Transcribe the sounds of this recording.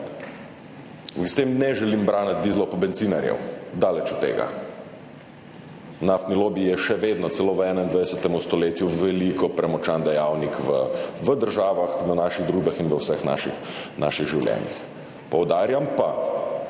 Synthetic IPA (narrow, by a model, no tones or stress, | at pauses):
st̪emnɛʒɛlimbɾaːnat̪̚d̪izlɔpɔbɛnt̪siːnaɾjɛ̰wd̪aːlɛt͡ʃut̪ːḛːɡa̰ | naft̪nilobijɛʃɛʋeːd̪nɔt̪sɛloːʋɛːnaind̪ʋad̪ɛsɛt̪ɛmust̪ɔleːt̪juʋɛlikɔpɾɛmɔt͡ʃand̪ɛjawnikʋəʋəd̪əɾʒaːʋaxʋənaːʃiɣd̪ɾuːʒbɛxinʋəwsəxna̰ːʃixna̰ʃiɣʒiwlʲjɛ̰ːnḭx | pɔwd̪aːɾjampa